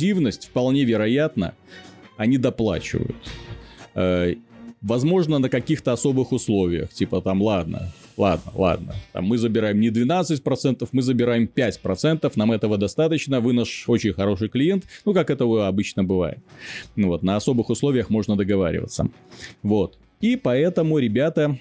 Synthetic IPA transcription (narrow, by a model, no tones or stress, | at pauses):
ivnəsʲtʲfpɐlˠnʲevʲɪɾɐjat̪nə̰ɐnʲid̪ɐplˠa̰t͡ɕɪ̰və̰jʊ̰t̪ | ə | vɐzmo̞ʐnənəkɐkʲixt̪əɐso̞bɨxʊslˠo̞vʲɪjə̰xtʲipət̪amlˠad̪̚nə̰lˠa̰d̪̚nə̰lˠa̰d̪̚nə̰t̪a̰mːɨzəbʲɪɾajɪmnʲɪd̪vʲɪnat̪sɨtʲpɾɐt̪sɛnt̪əfmɨzəbʲɪɾajɪmpʲætʲpɾɐt̪sɛnt̪əfnamɛt̪əvəd̪ɐst̪at̪ət͡ɕnəvɨnaʂo̞t͡ɕɪnʲxɐɾo̞ʂɨjklʲɪjent̪nukakɛt̪əɐbɨt͡ɕnəbɨva̰jɪ̰t̪̚vo̞t̪nəɐso̞bɨxʊslˠovʲɪjəxmo̞ʐnəd̪əɡɐva̰ɾʲɪ̰və̰t̪sə̰vo̞t̪ | ipɐɛt̪əmʊɾʲɪbʲat̪ə